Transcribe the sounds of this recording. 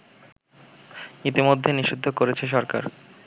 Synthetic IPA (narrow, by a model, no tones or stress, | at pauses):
it̪imod̪ʱːeniʃid̪ʱːokoɾet͡ɕʰeʃ̬ɔɾka̰ɾ